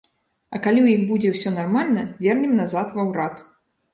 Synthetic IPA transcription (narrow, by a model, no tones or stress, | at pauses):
ɐkalʲiwjixbud͡zʲɛwsʲɔnarmalʲnɐvʲɛrnʲɛmnazat̪vawɾat̪